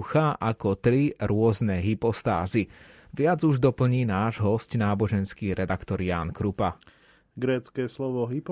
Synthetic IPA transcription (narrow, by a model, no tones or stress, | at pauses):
xaʔakɔt̪ɾiɾʊɔznɛɦipɔst̪a̰ːziʋɪad͡zuʒd̪ɔpl̩ɲiːnaːʒɦɔscnaːbɔʒɛnskiːɾɛd̪akt̪ɔɾjaːnkɾupa | ɡɾɛːt͡skɛːslɔʋɔɦip